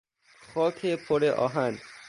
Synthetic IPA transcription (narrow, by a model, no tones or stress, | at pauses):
xʰɔkʰepʰoɾeʔɔ̰ɦan